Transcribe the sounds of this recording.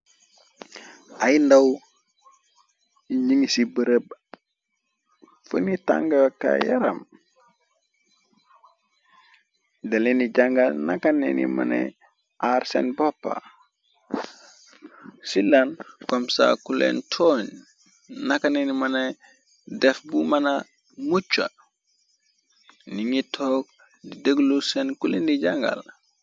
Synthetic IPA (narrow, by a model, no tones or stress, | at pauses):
ajndaw | ɲiŋisibəɾəb̚ | fənita̰ŋɡaka̰jaɾa̰m | delenid͡ʒaŋɡanakanḛnḭmɐ̰nḛ | aɾsḛnbopːa̰ | silankomsa̰kulḛntʰoɲ | nakanenimɐne | dɛfbumana | mut͡ʃːa̰ | niŋitʰoːk̚ | didəɡlusenkulindiɟaŋɡa̰l